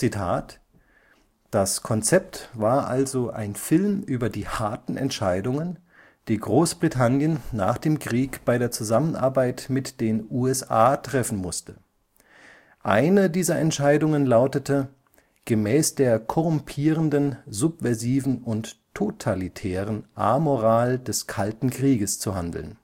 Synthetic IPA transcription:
t͡sitʰa̰ːt | d̥askʰɔnt͡sɛp̚tv̥aːɐʔalzoʔa̰ɪnfɪlmʔyːbɐdiːhaɐtn̩ʔɛ̰ntʃaɪdʊŋən | d̥iːɡʁoːsb̥ʁitʰanjənːa̰ːχd̥eːmkʁ̥iːkb̥aɪɾeːɐt͡suzamənʔa̰ɐbaɪtmɪtd̥eːnuːɛsʔa̰ːtʁ̥ɛfn̩mʊstʰə | ʔa̰ɪnədiːzɐɛntʃaɪdʊŋənlaʊtətʰə | ɡ̥əmɛːsd̥eːɐkʰɔʁʊmpʰiːʁəndənzʊpv̥ɛɐziːvn̩ʊntʰː | otʰalitʰɛːʁənʔa̰ːmoʁaːldɛskʰaltn̩kʁ̥iːɡəst͡suɦandl̩n

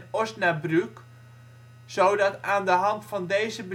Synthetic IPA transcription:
nɔsnabryk | sowdɑtaːndəɦɑntfɑndejzəbə

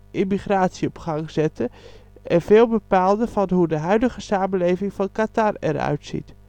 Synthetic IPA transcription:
ʔimiχraːtsiɔpχɑŋz̥ɛtʰəʔɛnveːlˠbəpaːlˠdəvɑnɦudəɦœɥdəɣəsaːməleːvɪŋvɑnkatarɛ̰ɾœ̰ɥtsḭt

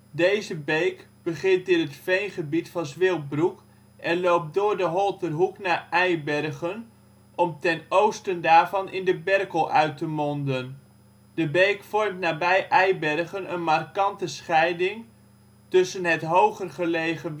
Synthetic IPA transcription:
dejzəbejkb̥əχɪntɪnɦətfejnχəbitfɑnzʋɪlˠt̚bruk | ʔɛnlowp̚dʊːɹdəɦɔlˠtərɦuknaːʔɛjbɛrχən | ʔɔmtɛnowstəndaːɹvɑnɪndəbɛrkəlˠʔœɥtəmɔndən | d̥əbejkfɔrmtnaːbɛjʔɛjbɛrχənənmarkɑntəsχɛjdɪŋ | tɵsənɦətɦowχərχəlejχə

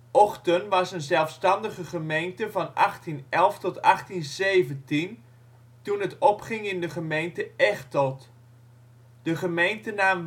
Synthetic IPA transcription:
ʔɔχtənʋɑsənzɛlˠfstɑndəχəχəmejntəvɑnɑχtinɛlˠftɔtɑχtinzeːvəntin | tunətɔpχɪŋɪndəχəmejntəɛχtɔt | d̥əχəmejntənaːm

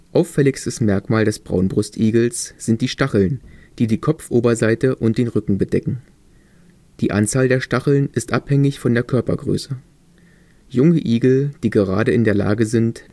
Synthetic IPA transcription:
ʔaʊfɛlɪçstəsmɛɐkmaːldɛsb̥ʁa̰ʊnbʁʊstʔiːɡl̩sz̥ɪnt̚d̥iːʃtaχl̩nd̥iːdiːkʰɔpfʔoːbɐzaɪtəʔʊnt̚d̥eːnʁʏkŋ̩bədɛkŋ̩ | d̥iːʔa̰nt͡saːldeːɐʃtaχl̩nɪstʔaphɛŋɪçfɔndeːɐkʰœɐpɐ̰ɡʁø̰ːsə | jʊŋəʔiːɡl̩d̥iːɡəʁ̞a̰ːɾəɪndeːɐla̰ːɡəzɪnt

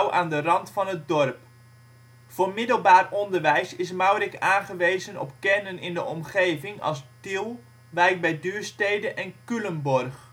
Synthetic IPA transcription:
wʔa̰ːndərɑntfɑnət̚dɔrp | v̥oːrmɪdəlˠbaːrɔndərʋɛjsɪsmawrɪkaːnχəʋejzənɔ̰pkɛnənɪndəʔɔmχejvɪŋɑ̰lˠstilˠ | ʋɛjk̚bɛjdyːɹstejdənʔɛnkylənbɔrχ

